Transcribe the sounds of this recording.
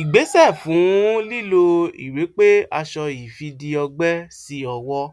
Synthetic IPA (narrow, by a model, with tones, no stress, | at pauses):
i˨ɡ͡be˨˦sɛ˦˨fũ˨˦li˦lo˧ḭ˨ɾe˨˦k͡pe˦a˧ʃɔ˧i˨fi˧di˧ɔ˧ɡ͡bɛ˦si˧ɔ˧wɔ˧